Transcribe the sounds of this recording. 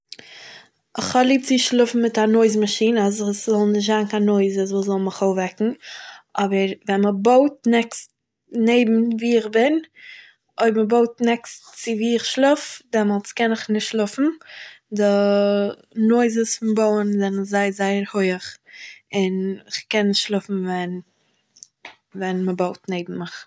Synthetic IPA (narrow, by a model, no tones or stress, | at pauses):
ɪχhɔlˠiːp̚t͡sɪʃlˠʊfn̩mɪtanoɪzmaʃiːnazɪszɔlˠnɪʃ̬tzankanoɪzəsvuːzɔlˠmɪχoʊvɛkŋ̩ɔbəɾvɛnməboʊt̚nɛkst | neɪbm̩viːɪχbɪn | oɪbməboʊtnɛkstt͡sɪviːɪχʃlˠʊfdɛmɔlˠt͡skɛnɪχnɪʃtʃlˠʊfn̩dɪ | noɪzəsfʊnboʊənzɛnɪszaɪəzaɪəɾhoɪəχɪnɪχkɛnːɪʃtʃlˠʊfn̩vɛn | vɛnməboʊtneɪbm̩mɪχ